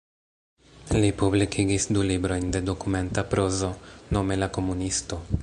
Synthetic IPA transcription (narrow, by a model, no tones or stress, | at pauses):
lipublikʰiɡisdulibɾo̞jnde̞do̞kume̞ntapɾo̞zo̞no̞me̞lako̞munisto̞